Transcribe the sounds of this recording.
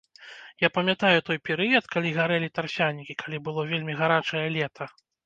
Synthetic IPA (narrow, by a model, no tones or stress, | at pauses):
japɐmʲjat̪ajut̪ɔjpʲɛɾɨjɐt̪kalʲiɣaɾɛlʲit̪arsʲanʲikʲikʰalʲibɨlˠɔvʲelʲmʲiɣaɾat͡ʂɐjɛlʲɛt̪ʰɐ